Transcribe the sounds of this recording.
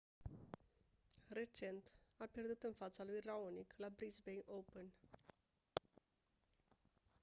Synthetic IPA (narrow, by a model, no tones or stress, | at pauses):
re̞t͡ʃe̞nt̪apje̞rd̪ut̪ɨnfat̪salujraoniklabɾisbejʔowpen